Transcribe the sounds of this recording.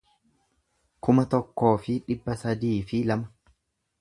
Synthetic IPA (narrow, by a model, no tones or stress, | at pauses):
kʊmɐt̪ɔkːo̞ːfɪᶑɪbːɐsɐd̪iːfɪlɐmɐ